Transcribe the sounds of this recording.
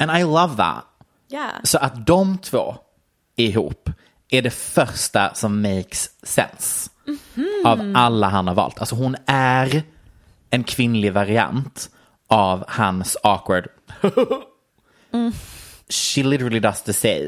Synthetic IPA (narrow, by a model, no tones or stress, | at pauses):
ɛ̃naɪlʌvðæ̰t̪ | jsɔʔat̪̚d̪ɔmt̪ʰv̥o̰ː | ɪɦṵːp | æɖɛfœɾʂʈa̰sɔmːejksːɛ̰ns | avʔalːaɦanhaɾvɑ̰ːlt̪ʰalsɔɦʊnæɾ | ɛnkʰvɪnlɪvaɾɪa̰nt̪ | ʔavhansɑkwəɖ | h | ʃilɪɾəɹəlˠid̪ast̪əseɪ